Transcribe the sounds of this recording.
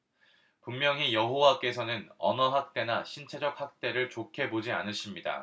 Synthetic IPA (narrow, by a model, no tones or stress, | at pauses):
pummjʌŋijʌɦowak͈e̞sʰʌnɯnʌnʌɦak̚t͈e̞naɕʰint͡ɕʰe̞d͡ʑʌk̚hak̚t͈e̞ɾɯɭt͡ɕokʰe̞bod͡ʑia̰nɯs͈imɲida̰